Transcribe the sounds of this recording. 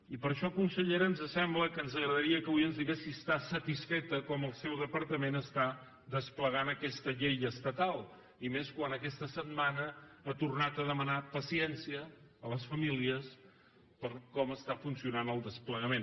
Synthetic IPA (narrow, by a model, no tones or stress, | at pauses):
ipəɾʃɔəkunsəʎeɾənzəsɛmbləkənzəɣɾəðəɾiəkəβujənzðiɣesist̪asət̪isfɛt̪əkɔməlˠsɛwðəpəɾt̪əmenəst̪a | d̪əspləɣanəkɛst̪əʎejəst̪ət̪alˠ | imeskwanəkɛst̪əsəd̪manəːt̪urnat̪əðəmənapəsiɛnsiəː | ləsfəmiliəs | pəɾkɔməst̪afunsiunanəlˠd̪əspləɣəmen